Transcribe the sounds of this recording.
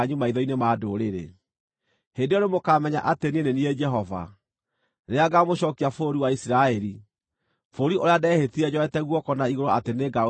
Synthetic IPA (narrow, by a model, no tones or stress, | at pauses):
ɲumaiðɔinemaːdoɾeɾḛ | hendeɔnemokamɛɲa̰ʔatenenenied͡ʒɛɦɔva̰ | neaɡamoɕɔkiafoɾiwaisiɾaɛɾi | foɾiʔoɾeadɛhetiɛd͡ʑɔɛtɛɣwɔkɔnaiɣoɾoateneɡa